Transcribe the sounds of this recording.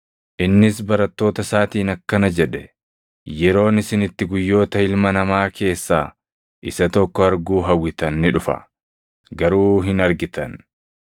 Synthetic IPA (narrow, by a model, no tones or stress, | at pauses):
ʔɪnːɪsbɐɾɐt̪ːo̞ːt̪ɐsaːt̪iːnɐkːɐnɐd͡ʒɛᶑɛ̥ | jɛɾo̞ːnɪsɪnɪt̪ːɪɡʊjːo̞ːt̪ɐɪlmɐnɐmaːkʰe̞ːsːaː | ʔɪsɐt̪ɔkːɔɐɾɡuːɦɐwːɪt̪ɐnːɪᶑʊfɐ̰ | ɡɐɾuːɦɪnɐɾɡɪt̪ɐ̰n